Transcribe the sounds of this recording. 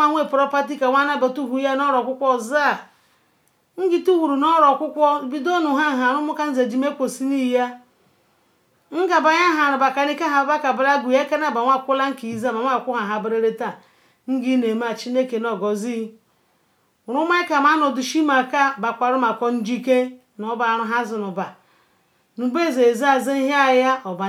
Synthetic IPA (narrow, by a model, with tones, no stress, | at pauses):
a˦ŋʷe˦˨pɾɔ˦pa˦t̬i˦ka˨ŋʷa˦na˦ba˨tu˦ɦu˨˦ja˦nɔ˦ɾɔ˨kʷʊ˦kʷɔ˦˨za˦˨ | ŋ̩˦ɡi˨tu˦wu˨ɾu˨nɔ˦ɾɔ˨kʷʊ˦kʷɔ˦˨bi˦do˦nu˨ɦa˦ɦa˨ɾʊ˦mʊ˦ka˦n̩˦ze˨d͡ʒi˨me˦kʷo˨si˦ni˦ja˦ | ŋ̩˦ɡa˨ba˨ɲa˦ɦa˨ɾa˨ba˨ka˨ni˦ka˦ɦa˨˦ba˦ka˨bɾa˦ɡu˨ja˦ka˦na˦˨ba˨ŋʷa˦˨kʷʊ˦la˦ŋ̩˦ki˨i˨za˦˨ma˨ŋʷ˦a˦˨kʷʊ˦ɦa˨ɦa˨bɾe˦ɾe˦ta˦˨ | n̩˦ɡi˦ne˨ma˦˨t͡ʃi˦ne˦ke˨nɔ˨ɡɔ˨zi˦˨ | ɾʊ˦ma˦ɪ˦ka˨ma˨˦nɔ˨du˨ʃi˦ma˨ka˦ba˨kʷa˨ɾʊ˦ma˨kʷɔ˦n̩˦d͡ʒi˦ke˦ | nɔ˨˦ba˨ɾʊ˨ɦa˦zɪ˨nʊ˨ba˨ | nu˨be˦˨ze˨za˨ze˦ɦa˦˨ja˦ɔ˨ba˨